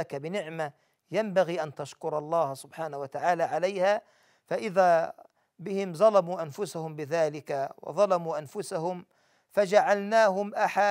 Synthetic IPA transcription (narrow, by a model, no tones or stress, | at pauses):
akabɪnɪʕma | jambaɣiːʔant̪aʃkʊɾˤɑlˤːɑːhsʊbħaːnawat̪aʕaːlaʕalajhaː | faʔɪðaː | bɪhɪmzˤɑlɑmuːʔanfʊsahʊmbɪðaːlɪkawɑ̰ðˤɑlɑmuːʔanfʊsahʊm | fad͡ʒaʕalnaːɦʊmʔaħa